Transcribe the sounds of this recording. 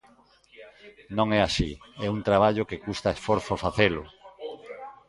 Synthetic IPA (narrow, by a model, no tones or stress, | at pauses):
nõŋɛasiɛunt̪ɾaβ̞aʎokekust̪aesfoɾθofaθelʊ̰